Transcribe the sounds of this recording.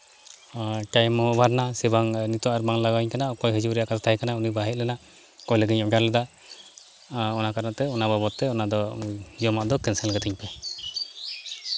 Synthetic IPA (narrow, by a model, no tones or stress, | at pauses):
ʈajmɔɔbaɾnasɛbaŋnit̪ɔwaʔaɾbaŋlaɡaɲkanaɔkɔjɦəd͡ʒuwɾɛjaʔkat̪ɔt̪ʰajkanaunibaɦɛlɛnaʔ | kɔjləɡiɲɔɡaɾlɛd̪a | ɔnakaɾat̪ɛɔnababɔt̪ːɛɔnad̪ɔjɔmaʔd̪ɔkɛnsɛlɡɛt̪iɲpɛ